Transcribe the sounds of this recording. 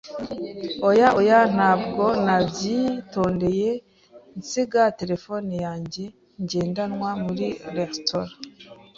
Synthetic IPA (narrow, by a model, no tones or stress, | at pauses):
ojaʔojan̥haːbɡo̞nabjito̞ːnde̞je̞ | nt͡siɡate̞ɾe̞fonijaːɲɟe̞ | ɲɟe̞ːndanŋwamuɾiɾektoɾa